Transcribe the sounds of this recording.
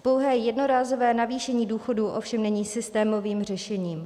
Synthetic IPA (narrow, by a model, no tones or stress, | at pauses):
powɦɛːjɛdno̞ɾaːzovɛːnaviːʃɛɲiːduːxo̞duːʔo̞fʃɛmnɛɲiːsɪst̪ɛːmo̞viːmr̝ɛʃɛɲiːm